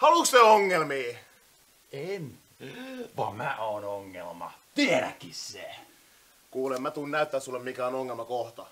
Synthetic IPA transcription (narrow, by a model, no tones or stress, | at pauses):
hɑluksseoŋːelmiː | en | ʋɑmmæʔoːnoŋːḛlmɑ̰t̪ieɾæ̰kːisse | kuːlemmæt̪uːnnæyt̪ːæːsulːemmikæonoŋːelmɑkoht̪ɑ